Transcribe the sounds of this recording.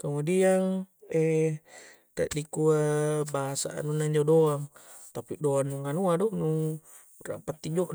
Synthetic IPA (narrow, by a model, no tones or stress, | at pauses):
kamodiaŋɛ | t̪ɛ̰ʔdikuabaɦasa̰ʔa̰nunaiɲd͡ʒodoaŋ | t̪apidoanːuŋanuadɔnu | ra̰pat̪ːid͡ʒoʔ